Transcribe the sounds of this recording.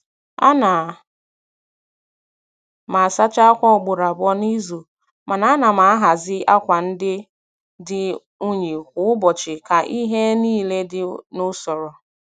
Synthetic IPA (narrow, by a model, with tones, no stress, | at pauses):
a̰˦na˨ | ma˨a˨sa˦t͡ʃa˦a˦kʷɔ˦ʊ˨ɡ͡bʊ˨ɾa˨bɔ˦ni˦zu˨ | ma˨na˨a˦na˨ma˨a˦ɦa˨zɪ˦a˦kʷa˨n̩˦dɪ˦ | dɪ˦ | u˦ɲe˨kʷʊ˨˦ʊ˦bɔ˨t͡ʃɪ˨ka˨ʔi˦ɦe˦niː˦le˦dɪ˨nʊ˦sɔ˨ɾɔ˨